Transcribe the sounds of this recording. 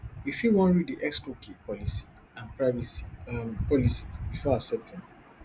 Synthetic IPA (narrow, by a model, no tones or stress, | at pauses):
jufiwɔ̃nɹiddiʔɛkskukipɔlisi̥ | ãnpɹaɪvisi̥pɔlisi̥bifɔasɛtĩn